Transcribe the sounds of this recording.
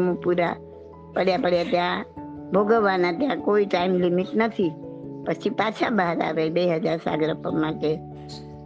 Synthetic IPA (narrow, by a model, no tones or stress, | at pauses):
mõpuɾa | pəɽjapəɽjat̪jãbʱoɡəʋːanãt̪jãkoiʈaimlimiʈnət̪ʰipət͡ʃʰipat͡ʃʰabəɦəɾa̰ʋebeɦəd͡ʒaɾsa̰ɡɾəpəmãʈe